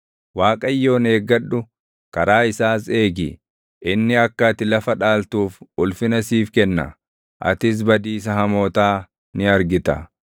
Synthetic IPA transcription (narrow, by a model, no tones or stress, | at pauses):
waːkʼɐjːo̞ːneːɡɐɗʊ | kɐɾaːɪsaːs̬e̞ːɡɪ̰ | ʔɪnːɪɐkːɐt̪ɪlɐfɐᶑaːlt̪uːfʊlfɪnɐsiːfkɛnːɐ̰ | ʔɐ̰t̪ɪs̬bɐd̪iːs̬ɐhɐmoːt̪aː | nɪɐɾɡɪt̪ɐ